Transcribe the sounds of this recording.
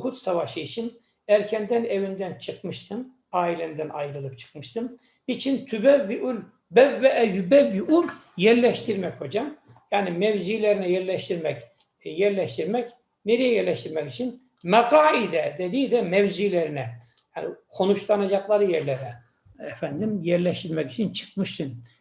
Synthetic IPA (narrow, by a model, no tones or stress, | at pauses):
kʰut̪savaʃɯit͡ʃʰin | æɾcʰɛnd̪ænevind̪ænt͡ʃʰɯqmɯʃt̪ʰɯn | aːilʲɛnd̪ænʔajɾɯlˠɯp̚t͡ʃʰɯ̥qmɯʃt̪ʰɯm | it͡ʃʰint̪ʰybɛvːiʔulʲ | bɛvːɛʔæjybɛvːiʔul | jɛɾlʲɛʃt̪ʰiɾmɛcho̞d͡ʒam | jaːnimɛvziːlʲeɾinɛjɛɾlʲɛʃt̪ʰiɾmɛc | jɛɾlʲɛʃt̪iɾmɛc | neɾijɛjɛɾlʲɛʃt̪iɾmɛcit͡ʃʰin | mɛqaːid̪ɛd̪ed̪iːd̪ɛmɛvzilʲeɾinɛ | janikʰo̞nut͡ʃlˠanad͡ʒɑklˠɑɾɯjɛɾlʲɛɾɛ | ɛfænd̪imjɛɾlʲɛʃt̪ʰiɾmɛci̥t͡ʃʰint͡ʃʰɯ̥kmɯʃt̪ʰɯn